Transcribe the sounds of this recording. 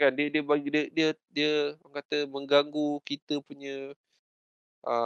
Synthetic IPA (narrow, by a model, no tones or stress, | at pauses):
kandiədiəbadiədiədiəəŋkat̪əmə̃ŋɡaŋɡukit̪əpuɲə̃ | ʔə